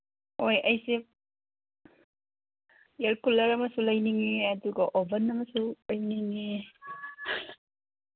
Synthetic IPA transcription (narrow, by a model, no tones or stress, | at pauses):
ojɐjse | jeɾkulɐɾɐmɐsulɐjniŋiɐduɡɐʔobʱɐnɐmɐsulajniŋe